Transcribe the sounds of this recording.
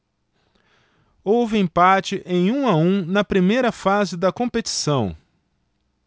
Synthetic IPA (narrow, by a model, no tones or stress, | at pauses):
owvɪẽpat͡ʃɪʔẽj̃ũaũnɐpɾimejɾɐfazɪd̪ɐkõpet͡ʃi̥sɐ̃w̃